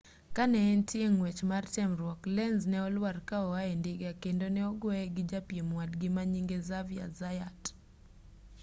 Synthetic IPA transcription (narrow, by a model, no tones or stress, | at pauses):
kanɛːntɪeŋwɛt͡ʃmartɛmɾwɔklɛnznɛɔlwarkaɔwaɛndɪɡakendonɛɔɡwɔɛɡɪd͡ʒapjemwadɡɪmaɲiŋɡezavja̰zajat